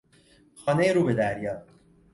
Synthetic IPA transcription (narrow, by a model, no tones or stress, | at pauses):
xɒːnejeɾuːbed̪æɾjɒː